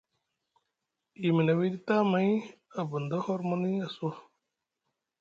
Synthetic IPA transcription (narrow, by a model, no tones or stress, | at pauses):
iminɐwid̪it̪amɐĩ | ɐbund̪ɐhoɾmɐniɐso